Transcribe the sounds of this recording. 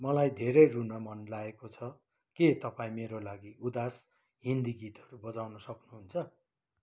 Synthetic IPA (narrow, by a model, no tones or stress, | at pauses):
mʌlajd̪ʱeɾʌjrunʌmʌnlaekot͡sʰʌ | ket̪ʌpaĩmeɾolaɡiud̪as | ɦind̪iɡit̪ʌɾubʌd͡zawnʌsʌknuɦunt͡sʰʌ